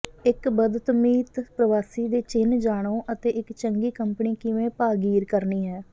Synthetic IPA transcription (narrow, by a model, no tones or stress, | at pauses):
ɪkbəd̪ət̪miːt̪pɾəʋaːsiːd̪eːt͡ʃɪnd͡ʒaːɽ̃õːʔət̪eːʔɪkt͡ʃəŋɡiːkəmpniːkɪʋẽːpaːɡiːɾkəɾniːɦɛː